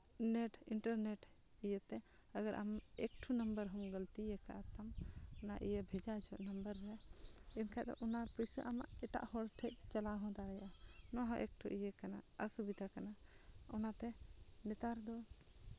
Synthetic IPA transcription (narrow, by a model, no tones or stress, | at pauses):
nɛʈinʈəɾnɛʈ | ijət̪ɛ | əɡaɾʔa̰mɛk̚ʈʰunəmbəɾɦɔmɡəlt̪ijɛkaʔat̪amɔna̰ʔijəbʱɛd͡ʒad͡ʒʱɔʔnəmbəɾɾɛinkʰad̪ɔ̰ʔɔnapujsəʔamaʔɛʈa̰ʔhɔɽʈʰɛc̚t͡ʃalaɦɔ̃d̪aɾɛjʔanɔɦɔ̃ʔɛk̚ʈʰuʔijəkanaəsubid̪akana | ɔnat̪ɛnɛt̪aɾd̪ɔ